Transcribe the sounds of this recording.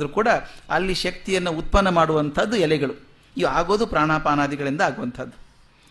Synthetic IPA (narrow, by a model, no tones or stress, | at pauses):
ɐɾukuːɽɐɐlːiʃɐk̚t̪ijɐnːuut̪̚pɐnːɐmaːɽuʋɐnt̪ʰɐd̪ːuɛlɛɡɐɭu | iʋaːɡo̞ːd̪upɾaːɳaːpaːnaːd̪iɡɐɭind̪ɐaːɡuʋɐnt̪ʰɐd̪ːu